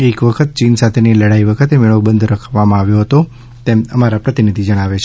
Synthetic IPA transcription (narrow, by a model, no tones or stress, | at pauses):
ekʋəkʰət̪̚t͡ʃinsat̪ʰeneləɽaiʋəkʰət̪emɪɭəʋbənd̪ʱɾəkʰʋamãaʋjoɦət̪o | t̪eməmaɾapɾət̪inid̪ʱid͡ʒəɽ̃aʋet͡ʃʰe